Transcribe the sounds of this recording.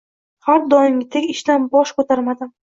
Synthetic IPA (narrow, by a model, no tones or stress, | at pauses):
haɾd̪ɒɪmʲɪt̪ʰekʲɪʃd̪anbɒʃkɵt̪ʰaɾmad̪ɪm